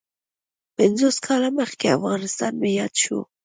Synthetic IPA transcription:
pɛnzoskʰɑlaməχkea̰vɣɑnɪst̪ɑnmejɑd̪ʃṵ

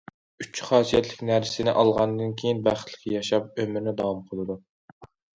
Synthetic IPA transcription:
yt͡ʃʰːχɑːsijɛt̪lɪkʲnæɾsɪnɪʔɑlˠʁɑnd̪ɨnkʲʰejinbæχə̥t̪ʰlɪ̥kʲijɑʃɑp̚ømɪɾnɪd̪ɑwɑmqʰəlˠɨd̪u

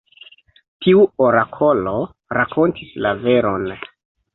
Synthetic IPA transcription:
tʰiuoɾakʰo̞lo | ɾakʰo̞ntislave̞ɾo̞n

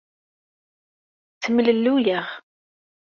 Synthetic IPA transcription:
t͡sːəmləlːujəʁ

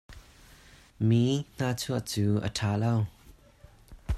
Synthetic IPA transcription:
miŋ̥aːt͡sʰuəʔt͡suːʔə̰tʰaːlow

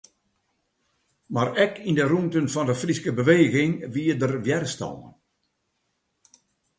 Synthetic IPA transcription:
marɛkʰindərumtənfɔndəfriskəbəʋeːɣɪŋʋiədərʋjɛrəstɔ̰lə̰n

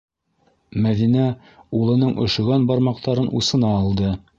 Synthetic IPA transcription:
mæðinæ | ulˠɤ̆nɤɴʔŏʃɤ̆ʁɑnbɑɾmɑq̚t̪ɑɾɤnʔṵsɤ̆nɑːlˠd̪ɤ

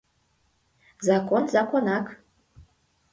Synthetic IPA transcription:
zɑkonzɑkonɑk

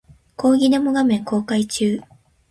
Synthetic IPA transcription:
ko̞ːɡʲinomoɡamẽ̞ŋko̞ːkait͡ɕɨː

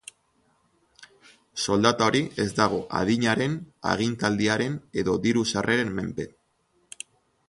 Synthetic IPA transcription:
so̞ld̪at̪ao̞ɾie̞zd̪aɣ̞o̞ʔa̰ðiɲaɾe̞na̰ɣ̞int̪ald̪iaɾe̞ne̞ðo̞d̪iɾusarʔe̞ɾe̞mːe̞̰mpe̞

